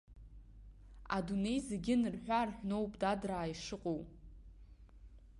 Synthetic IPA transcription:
a̰dune̞jzeɡʲɪnɨrħᶣʷarħʷᶣno̞wpʼdadraːiʂɨqʼow

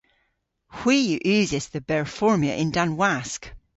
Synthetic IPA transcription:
hw̥iːjəʔʉːzɪsðəbɛɹfɔɹmjəʔɪ̃ndãnwask

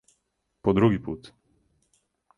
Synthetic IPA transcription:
pɔd̪ɾuɡipuːt̪

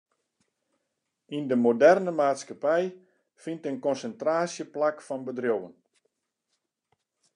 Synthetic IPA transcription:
indəmodɛrnəmaːtskapɛj | fintənkɔnsəntraːsjəplakfɔnbədrjowən

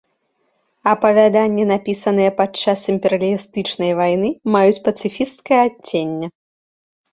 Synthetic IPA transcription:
ɐpɐvʲad̪anʲːɛn̪apʲisɐn̪ɨjɐpat͡ʂːasimʲpʲɛɾɐlʲist̪ɨt͡ʂnɐjvajnɨmajut͡sʲpɐt̪sɨfʲist̪kɐjɐat͡sʲːenʲːɛ

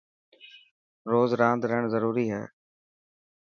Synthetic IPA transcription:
ɾoːzɾãːnd̪ɾəɦəɳ̃zəɾuːɾiːɦɛ̰ː

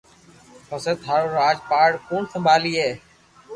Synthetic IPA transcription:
pəsət̪ʰɦaːɾoːɾaːd͡ʒpaːɽkoːɳsəmbʱaːliːɦeː

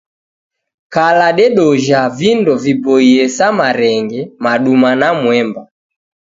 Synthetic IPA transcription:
kalaɗɛɗɔʒavindɔvibɔiɛsamaɾɛŋɡɛmaɗumanamwɛmba

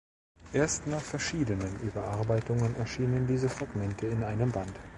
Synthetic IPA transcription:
ʔeːɐstnaːχfɛɐʃiːdənənʔybɐʔaɐbaɪtʊŋənʔɛ̰ɐʃiːnəndiːzəfʁ̥aɡmɛntʰəɪnʔaɪnəmbant

